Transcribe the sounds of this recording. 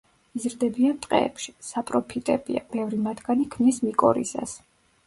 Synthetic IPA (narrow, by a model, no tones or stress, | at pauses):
izɾd̪ɛbiant̪ʼqʼɛ̰ɛ̰pʃi̥sapʼɾɔpʰit̪ʼɛbḭa̰b̥ɛvɾimat̪ʰɡ̥anikʰmnismikʼɔ̰ɾḭsa̰s